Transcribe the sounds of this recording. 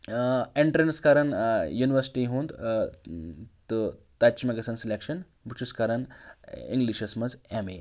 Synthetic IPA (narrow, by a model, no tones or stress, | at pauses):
eɳʈɾenskaɾənjuniʋəɾsi̥ʈiɦũːnd̪ | t̪ot̪at͡ɕmeɡɐsansilekʂən | bʱut͡ʃʰuskaɾɐnḭ̃ŋɡliʃɐsmɐsamḛ